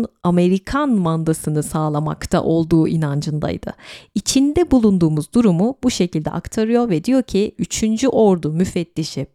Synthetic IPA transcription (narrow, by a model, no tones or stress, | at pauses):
name̞ɾikʰanmand̪asɯnɯsaːlˠama̰kt̪ʰa̰ʔo̞lˠd̪uːʔinand͡ʒɯnd̪a̰jd̪̥ɯ̰it͡ʃʰind̪ɛbulˠund̪uːmuzd̪uɾumubuʃe̞cilʲd̪ɛ̰ʔa̰kt̪ʰaɾɯjo̞ɾvɛd̪ijo̞ɾcʰiyt͡ʃʰynd͡ʒyʔo̞ɾd̪umyfɛt̪ːiʃɪ